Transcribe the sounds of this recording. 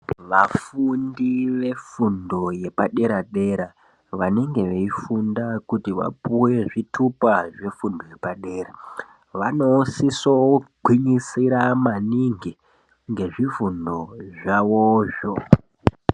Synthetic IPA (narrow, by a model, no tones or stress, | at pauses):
ʋafundiʋe̞fundo̞je̞paɗe̞ɾaɗe̞ɾa | ʋane̞ŋɡe̞ʋeifundakutiʋa̰puwe̞ʐitʰupaʐe̞fundoje̞paɗe̞ːɾa | ʋanosisoɡʱwiɲisiɾamaniŋɡi | ŋɡe̞ʐifundo̞ʐaʋoːʃo